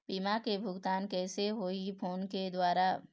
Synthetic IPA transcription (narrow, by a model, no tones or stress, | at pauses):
piːmakebʱʊɡt̪aːnkɛːseɦoːipʰoːnked̪waːɾa